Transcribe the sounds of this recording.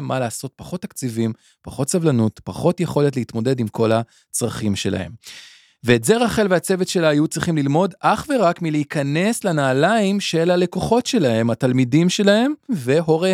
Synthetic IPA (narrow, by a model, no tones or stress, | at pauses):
mːalaːso̞t̚paχo̞tːakt͡sivim | paχo̞tsavlanutpaχo̞tje̞χo̞le̞tleitmo̞de̞dimkʰo̞la | t͡sʁaχimʃe̞la̰he̞̰m | ve̞ːtze̞ʁaχe̞lveat͡se̞vetʃe̞laːjut͡sʁiχimlilmo̞daχve̞ʁakmileikʰɐne̞slanaːlaimʃe̞lhale̞koχo̞tʃe̞lahe̞matalmidimʃe̞lahe̞mve̞ɦo̞ʁe